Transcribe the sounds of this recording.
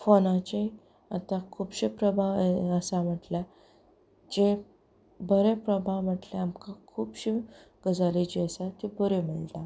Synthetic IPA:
fonãt͡ɕe | at̪ãkʰuːbɕipɾəbʱaəsam̤əʈlja | d͡ʑe | bəɾepɾəbʱam̤əʈleamkakʰuːbɕiɡ̥əd͡zalit͡ɕeəsat̪ibəɾem̤əɭʈ̪a

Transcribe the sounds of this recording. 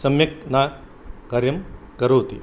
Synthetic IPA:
sɐmjɐkna | kɐɾjɐmkɐɾoːt̪ḭ

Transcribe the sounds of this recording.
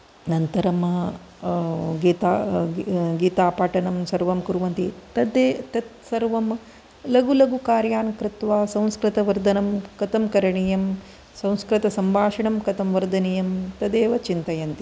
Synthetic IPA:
nɐnt̪ɐɾɐm | ɡiːt̪a | ɡiːt̪aːpaːʈɐnɐmsɐɾʋɐmkuɾʋɐnt̪it̪ɐd̪eːt̪ɐt̪sɐɾʋɐm | lɐɡulɐɡukaːɾjaːnkɾɪt̪ʋaːsɐ̃w̃skɾɪt̪ɐʋɐɾd̪ʱɐnɐmkɐt̪ɐmkɐɾɐɳijɐm | sɐ̃w̃skɾɪt̪ɐsɐmbʱaːʂɐɳɐmkɐt̪ɐmʋɐɾd̪ʱɐnijɐmt̪ɐd̪eːʋɐt͡ʃint̪ɐjɐnt̪i

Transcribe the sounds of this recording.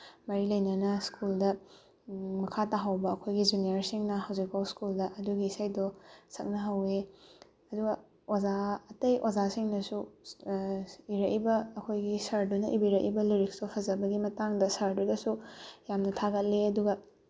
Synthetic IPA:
mɐɾilɐjnɐnɐskʰuldɐ | mɐkʰataɦɐwbɐːkʰojɡid͡ʒiniɐɾsiŋnɐɦɐwzik̚pawskuldɐʔɐduɡiːsajdosɐk̚nɐɦɐwe | ɐduɡɐ | ozaɐtɐjʔozasiŋnɐsu | iɾɐʔibɐːkʰojɡisɐɾdunɐʔibiɾɐʔḭbɐliɾiksdopʰɐzɐbɐɡimɐtaŋdɐsɐɾdudɐsujamnɐtʰaɡɐt̚leɐduɡɐ

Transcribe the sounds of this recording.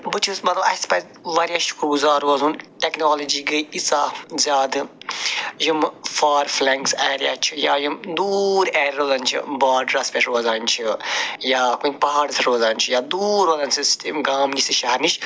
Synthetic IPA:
bɨt͡ʃʰusmɐt̪lɐbɐ̰spɐz | ʋɐɾʲjaʃu̥kɾɡuzaːɾɐːzuːnʈeknoːlɐd͡ʒiːɡɨit͡saːzʲaːd̪ɨ | jimfaːɾflɛŋkseːɾija̰ːt͡ʃʰija̰ːjimd̪uːɾeːɾʲɾoːzaːnʲt͡ʃʰḭbaːɖɾaspeʃɾoːzaːnʲt͡ʃʰijaːkunʲpɐɦaːɾsʰɐɾoːzaːnʲt͡ʃʰijaːd̪uːɾʋɐlɐnsist̪imɡaːmnʲisɨʃɐɦɐɾniʃ

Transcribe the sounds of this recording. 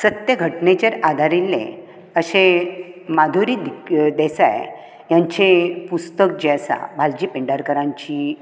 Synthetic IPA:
sət̪jəɡʱəʈnet͡ɕeɾad̪ʱaɾilːḛ̃ | əɕemad̪ʱuɾiːd̪id̪ɛsa̰j | jaɲt͡ɕepust̪ək̚d͡ʑesa̰bʱald͡ʑiːpeɳɖaɾkəɾãɲt͡ɕi

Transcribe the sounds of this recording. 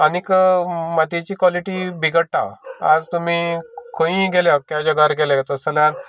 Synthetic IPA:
anikmat̪it͡ɕiːkʋaliʈibʱiɡəɽʈa̰ad͡zt̪umikʰõĩɡeljakjad͡ʑɔɡaɾɡelat̪əsəljan

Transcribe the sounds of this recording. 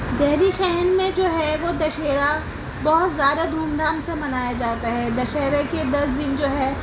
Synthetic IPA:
d̪ɛɦɾiʃɛɦnmẽd͡ʒoːɦɛʋod̪ɐʃeːɾa | bɔɦʊt̪zjaːd̪ad̪ʱuːmd̪aːmsemɐnaːjad͡ʒaːt̪aɦɛd̪ɐʃeːɾeked̪ɐsd̪ɪnd͡ʒoːɦɛː

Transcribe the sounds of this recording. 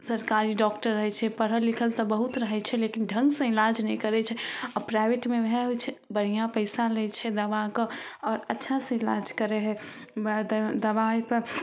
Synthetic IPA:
səɾkaɾiɖɔkʈəɾːəɦɛt͡ʃʰɛpəɽ̤ɦəlːikʰəlt̪ɔbəɦut̪ɾəɦɛt͡ʃʰɛlekinɖʱə̃ŋɡsə̃ilad͡ʒnɛjkəɾɛt͡ʃʰɛɔpɾajbeʈmebʱɛɦojt͡ʃʰɛbəɽ̤ijãpəɪsalɛt͡ʃʰɛd̪əbakəɔɾətːʃʰasə̃ilad͡ʒkəɾɛɦɛ | d̪əβajpəɾ

